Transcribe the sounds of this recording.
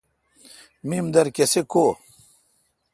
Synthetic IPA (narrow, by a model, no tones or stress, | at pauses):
mimd̪ɐɾkeseko